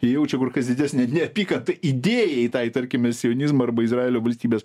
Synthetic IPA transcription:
tɐɪjɛʊt͡ʃʲɛkʊrkɐsd̪ʲɪd̪ʲæːsʲnʲɛnʲɛɐpʲiːkɐnt̪ɐʔid̪ʲeːjɛɪt̪ɐɪt̪ɐɾʲkʲɪmʲɛsʲɪoːnʲɪzmɐɐɾbɐɪzrɑːeːlʲoːʋɐlʲsʲt̪ʲiːbʲeːs

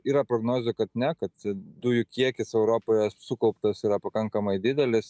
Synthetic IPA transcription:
iːɾɐpɾoːɡnoːzʲʊkɐt̪nʲɛkɐt̪̚t͡ʃʲɛd̪uːjʊkʲiɛkʲɪsɛʊɾoːpoːjɛsʊkɐʊpt̪ɐsiːɾɐpɐkɐŋkɐmɐɪd̪ʲɪd̪ʲɛlʲɪs

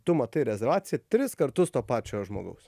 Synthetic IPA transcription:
t̪ʊmɐt̪ɐɪɾʲɛzʲɛɾʋɑːt̪sʲɪjɛt̪ʲɾʲɪskɐɾt̪ʊst̪oːpɑːt͡ʃʲoːʒmo̰ːɡɐ̰ʊs

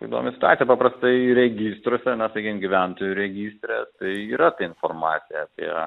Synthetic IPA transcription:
kɐɪd̪ṵo̰ːmʲɪsʲɪtʊɑːijɛpɐpɾɐst̪ɐɪɾʲɛɡʲiːst̪ɾoːsʲɛnɐsɐkʲimɡʲiʋʲæˑnt̪oːjuɾʲɛɡʲiːst̪ʲɾʲɛt̪ɐɪiːɾɐt̪ɐɪnformɑ̰ːt̪sʲɪjɛɐpʲḭɛ

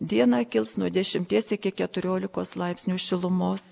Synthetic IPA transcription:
d̪ʲiɛnɑkʲɪlˠsnuɔd̪ʲɛʃʲɪmʲt̪ʲiɛsɪkʲɪkʲɛt̪ʊɾʲoːlʲɪkoːslˠɐɪpʲsʲnʲuːʃʲɪlˠʊmoːs

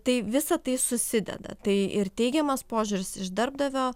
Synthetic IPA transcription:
t̪ɐɪʋʲɪsɐt̪ɐɪsʊsʲɪd̪ʲɛ̰d̪ɐ̰t̪ɐɪɪrt̪ʲɛɪɡʲɛmɐspoːʒʲʊɾʲɪsɪʒd̪ɐɾb̚d̪ɐʋʲoː

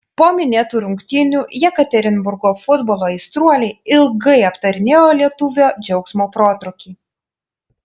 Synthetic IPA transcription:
poːmʲɪnʲeːt̪uːɾʊŋʲkt̪ʲɪnʲuːjɛkɐt̪ʲɛɾʲɪnbʊɾɡoːfʊd̪boːlˠoːɪst̪ɾuɔlʲɛɪɪlˠɡɐɪɐpt̪ɐɾʲɪnʲeːjoːlʲiɛt̪ʊʋʲoːd͡ʒʲɛʊksmoːpɾoːt̪ɾʊkʲiː

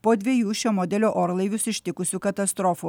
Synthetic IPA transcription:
poːd̪ʲʋʲiɛjuːʃʲoːmoːd̪ʲɛlʲoːʔoːɾlˠɐɪʋʲʊsɪʃʲt̪ʲɪkʊsʲuːkɐt̪ɐst̪ɾoːfu

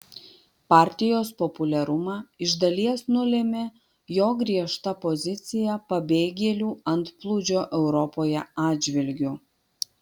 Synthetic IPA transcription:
pɑːˑɾʲt̪ʲɪjoːspɔpʊlʲɛɾʊmɑːɪʒd̪ɐlʲiɛsnʊlʲɛmʲe | joːɡɾʲiɛʃt̪ɐpɔzʲɪt̪sʲɪjɛpɐbʲeːɡʲɛlʲuːɐnt̪plˠʊd͡ʒʲoːʔɛʊɾɔpoːjɛɑːd͡ʒʲʋʲɪlʲɡʲʊ

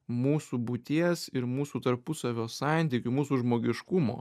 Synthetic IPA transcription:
muːsuːbʊt̪ʲiɛsɪɾmuːsuːt̪ɐɾpʊsɐʋʲoːsɑˑnʲt̪ʲiːkʲʊmuːsuʒmoːɡʲɪʃkʊmo̰ː

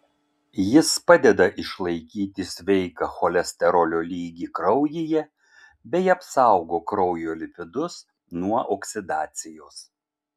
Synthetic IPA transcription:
jɪspɑd̪ʲɛd̪ɐʔɪʃlˠɐɪkʲiːt̪ʲɪsʲʋʲɛɪkɑxɔlʲɛsʲt̪ʲɛɾɔlʲoːlʲiːɡʲiːkɾɒʊjɪjɛ | bʲɛɪɐpsɑˑʊɡoːkɾɔʊjoːlʲɪpʲɪd̪ʊs | nuɔʔoksʲɪd̪ɑːt̪sʲɪjoːs

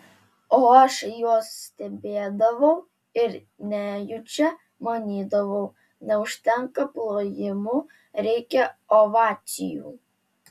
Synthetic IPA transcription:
oɐʃjoɔsːʲt̪ʲɛbʲeːd̪ɐʋɐʊ | ɪɾ | nʲæjʊt͡ʃʲɛ | mɐnʲiːd̪ɐʋɐʊ | nʲɛʊʃʲt̪ʲɛŋkɐplˠoːjɪmʊ | ɾʲɛɪkʲɛoʋɑːsʲɪ̰jṵː

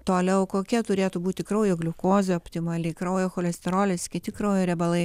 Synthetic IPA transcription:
t̪oːlʲɛʊkoːkʲiɛt̪ʊɾʲeːt̪ubuːt̪ʲɪkɾɐʊjoːɡlʲʊkoːzʲeɔpʲt̪ʲɪmɐlʲɪkɾɐʊjoːxoːlʲɛsʲt̪ʲɛɾoːlʲɛsʲkʲɪt̪ʲɪkɾoːjoɾʲɛbɐlˠɐɪ

